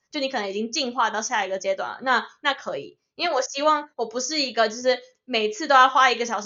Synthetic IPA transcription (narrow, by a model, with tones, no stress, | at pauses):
t͡ɕjo˥˩ʊn˧kʰɤ˨˩n˧˦ŋi˨˩t͡ɕi˥ŋt͡ɕi˥˧nxwa˥˧t̪ɑ˥˧ʊɕja˥˩i˧˥ɡə˨t͡ɕjɛ˥t̪wa̰˥˩nlə̰˩na˥˧na˥˩kʰɤ˧˦˥ḭ˨˩ | i˥nwe˥˩wɔ˨˩ɕi˥wɑ˥˩ŋwɔ˨˩pu˧˥ʂɻ̩˥˩i˧˥ɡə˧t͡ɕjʊʂɻ̩˥˩ | me˨˩ɪt͡sʰɹ̩˥˩t̪o˥ʊjɑ˥˩ʊxwa˥i˧˥ɡə˧ɕjɑ˨˩ʊʂ